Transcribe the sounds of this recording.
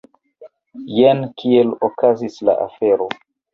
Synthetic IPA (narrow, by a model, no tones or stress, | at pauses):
jenkʰielokazisla̰ʔa̰feɾo